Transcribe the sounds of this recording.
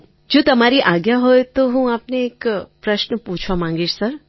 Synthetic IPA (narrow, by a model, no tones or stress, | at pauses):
d͡ʒoːt̪ɐmaːɾiʔaːɡjaɦoet̪oɦũaːpneːkpɾɐʃnəpuːt͡ʃʰʋamãːŋɡeːt͡ʃsɐɾ